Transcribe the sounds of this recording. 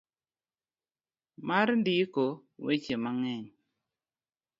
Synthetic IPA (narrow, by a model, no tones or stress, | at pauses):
maɾndɪko | wet͡ʃemaŋɛɲ